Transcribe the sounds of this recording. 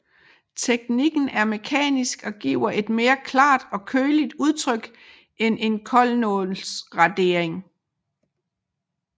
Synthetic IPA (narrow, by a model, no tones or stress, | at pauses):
t͡sʰeɡ̥niɡ̥n̩æɐme̝kʰɛ̰ːnisɡ̥ɒ̽ɡ̥ḭːʊɐʔe̝d̥me̝ːɐkʰlɑ̰̈ːd̥ɒ̽kʰøːlid̥uð̞ˠt͡sʰʁœɡ̥ | ʔenʔe̝nkʰɒ̽lnɔlsʁɑ̈d̥e̝ɐe̝ŋ